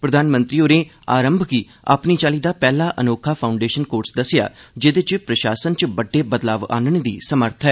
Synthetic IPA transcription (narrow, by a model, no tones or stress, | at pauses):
pɾəd̪aːnmə̃nt̪ɾiːoːɾẽː | aːɾəmbʱki | a̰ːpniːt͡ʃaːliːd̪aːpɛːlaːʔənoːkʰaːpʰaːʊɳɖeːʃənkoːɾsd̪əsɪja̰ːd͡ʒɪd̪et͡ʃpɾəʃaːsənt͡ʃbəɖːeːbəd̪laːʋa̰ːnəɳ̃ed̪iːsəməɾt̪ʰɦɛː